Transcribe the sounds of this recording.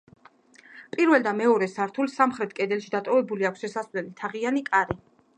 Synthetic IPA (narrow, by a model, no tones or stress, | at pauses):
pʼiɾvɛlˠd̪amɛɔɾɛsaɾt̪ʰulˠsamχɾɛt̪ʰkʼɛd̪ɛlˠʃid̪at̪ʼɔvɛbuliakʷʰsʃɛsasvlɛlit̪ʰaʁianikʼaɾi